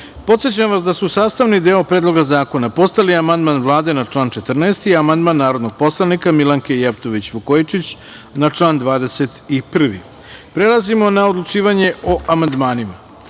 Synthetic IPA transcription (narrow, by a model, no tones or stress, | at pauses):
po̞t̪sjet͡ɕamʋasd̪asusaːst̪aʋnid̪eːopɾed̪lˠo̞ɡazaːko̞napo̞st̪aliamand̪manʋlˠaːd̪e̞nat͡ʂlaːnt͡ʃe̞t̪r̩neːst̪iamand̪manːaːɾo̞d̪no̞ɡ̚po̞slˠanikamilˠaŋkejeft̪o̞ʋit͡ɕʋukojit͡ʃit͡ɕ | nat͡ʂlaːnd̪ʋaːd̪e̞set̪ipr̩ʋḭ | pɾe̞lˠazimo̞naod̪lˠut͡ʃiːʋaɲe̞oʔamand̪maːnima